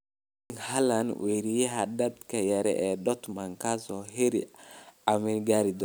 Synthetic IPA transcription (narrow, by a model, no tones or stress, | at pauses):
ŋhalanweɾijiɦadadkajaɾɛ̰ʔɛdɔt̪maŋkazɔheɾḭamiɡaɾidɔ